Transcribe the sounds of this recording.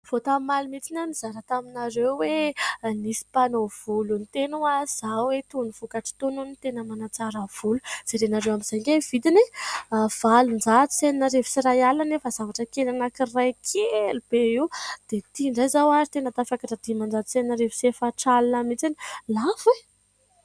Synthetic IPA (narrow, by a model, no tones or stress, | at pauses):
v̥ot̪ammalimit͡sinamiz̥aɾət̪aminaɾewwenisi̥panov̥ulunt̪enuaz̥awet̪univ̥ukaʈ͡ʂi̥t̪ununit̪enəmanat͡saɾəv̥uluz̥eɾenaɾewamiz̥ajŋɡʲajv̥id̪ine | v̥alund͡ʒat̪i̥seninaɾevi̥sirajalanefazavaʈ͡ʂəkelanakirajkʰelub̥eiwd̪̥et̪iɳɖ͡ʐajzawazit̪enət̪afakaʈ͡ʂad̪imand͡zat̪seninaɾevi̥sefaʈ͡ʂalinəmit͡sanilave